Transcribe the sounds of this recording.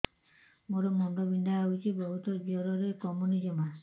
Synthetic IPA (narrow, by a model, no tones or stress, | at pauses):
moɾɔmɔŋdɔbiɳɖaːɦit͡ʃʰibɔɦut̪ɔd͡ʒɔɾɔɾekɔmunid͡ʒɔma